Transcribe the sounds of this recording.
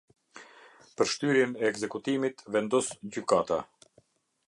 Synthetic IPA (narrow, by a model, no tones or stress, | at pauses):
pəɾʃt̪yɾjɛnɛːɡzɛkut̪imit̪vɛnd̪ɔsd͡ʑykat̪a